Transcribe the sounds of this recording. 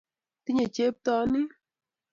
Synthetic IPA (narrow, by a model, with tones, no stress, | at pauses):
t̪i˦ɲe˨t͡ʃe˦p̚t̪ɔ˧˦nɪ˦